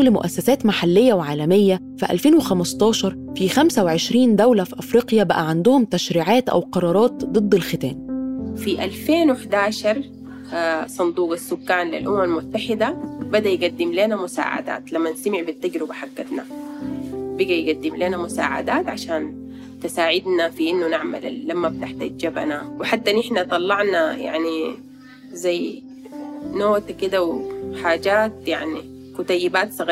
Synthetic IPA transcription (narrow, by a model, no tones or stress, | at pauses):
lmʊ̰ʔæ̰sːæsæːt̪maħalːɪjːæwʕaːlæmɪjːæ | fiʔæ̰lfeːnwɪxæmɑst̪ˤɑːʃɑɾˤfixæmsæwʕeʃɾiːnd̪æwlæfiʔɑfɾiːqjæbæʔæʕand̪ʊhʊmt̪æʃɾiːʕaːt̪ʔæ̰wqɑɾˤɑːɾˤɑːt̪̚d̪ˤɨd̪ˤːelxɪt̪æːnfiʔalfeːnweħd̪aːʃɑɾˤ | sˤɑnd̪uːqasːʊkːaːnlɪ̰lʔʊmamalmʊt̪ːaħɪd̪abɪd̪æjɡad̪ːɪmleːnamʊsa̰ːʕa̰d̪a̰ːt̪lamːanst̪amɪʕbɪt̪ːaɡɾɪbaħaɡːad̪na | bɪɡajɡad̪ːimleːnamʊsa̰ːʕa̰d̪aːt̪ʕaʃaːn | t̪ɪsaːʕɪd̪nafiʔɪnːunaʕma̰l̰ːamːabt̪aħt̪a̰d͡ʒd͡ʒaba̰nawɪħat̪ːanʔɪħnat̪ˤɑlːɑʕnaja̰ʕni | zajː | noːt̪akid̪awħaːd͡ʒaːt̪jaʕni | kut̪ˤɑjːɪbaːt̪sˤɑɣ